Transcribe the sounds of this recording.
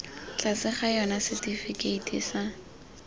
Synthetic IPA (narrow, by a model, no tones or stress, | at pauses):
t͡ɬasɪχajɔnasɪtʼifɪkʼeitḭsa